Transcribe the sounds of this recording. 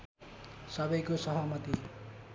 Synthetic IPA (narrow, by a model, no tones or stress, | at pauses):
sʌbʌjkosʌɦʌmʌt̪i